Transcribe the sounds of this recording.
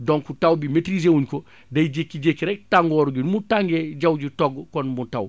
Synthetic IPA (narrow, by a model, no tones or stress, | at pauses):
dɔŋkutawbimetɾisewuɲkɔ | dɐjɟekːiɟekːɾɛk̚taŋɡɔːɾɡunmutaŋɡɛɟawɟitɔɡkɔnmutaw